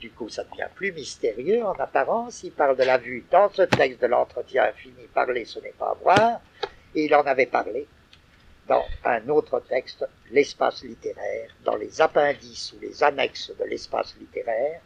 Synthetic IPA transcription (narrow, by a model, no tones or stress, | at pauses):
d̪ykusad̪əvjɛ̰̃plymist̪eʁjøɑ̃napaʁɑ̃silpaʁld̪əlavyd̪ɑ̃sət̪ɛkst̪̚d̪əlɑ̰̃t̪χət̪jɛ̃finipa̰ʁlesənɛpa̰vwaːʁ | eilɑ̃navɛpaʁle | d̪ɑ̰̃ɛ̰̃not̪χət̪ɛkst̪ | lɛspa̰slit̪eʁɛːʁd̪ɑ̰̃lezapɛ̃d̪isulḛzanɛksd̪əlɛ̰spa̰slit̪eʁɛːʁ